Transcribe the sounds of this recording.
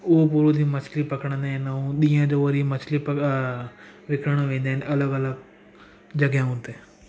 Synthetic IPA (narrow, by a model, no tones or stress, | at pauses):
opuːɾud̪iːmɐt͡ʃʰliːpəkəɽ̃ə̃nd̪eːɦnũɗ̪ijãːd͡ʒoːʋəɾimət͡ʃʰlipə | ʋɪkʰɾəɽ̃ʋẽːnd̪eɦnʔɐləɡələɡ | d͡ʒəɡjãɦʊ̃nt̪eː